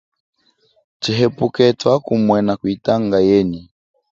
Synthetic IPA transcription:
t͡ʃiɦɛpukɛtwakumwɛnakuitaŋɡajɛni

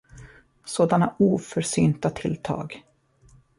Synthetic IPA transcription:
soːd̪anaʔuːfœɾʂyːnt̪at̪ʰɪlt̪ʰɑ̰ːɡ

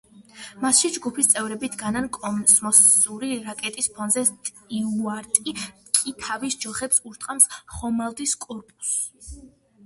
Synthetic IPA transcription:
masʃid͡ʒɡupʰist̪sʼɛvɾɛbit̪ʰɡanankʼɔmsmɔsuɾiɾakʼɛt̪ʼispʰɔnzɛt̪ʼ | iuaɾt̪ʼikʼit̪ʰavisd͡ʒɔχɛpsuɾt̪ʼqʼamsχɔmalˠd̪iskʼɔɾpʼu̥s

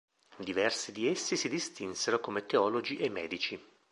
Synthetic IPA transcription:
d̪ivɛrsid̪iesːisid̪ist̪inseɾokomet̪eɔlod͡ʒiʔemːɛ̰ːd̪it͡ʃi

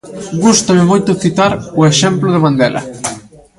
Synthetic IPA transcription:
ɡust̪amɪmojt̪ʊθit̪aɾʊeʃɛmplʊð̞ɪβand̪ɛ̰lʔɐ̰

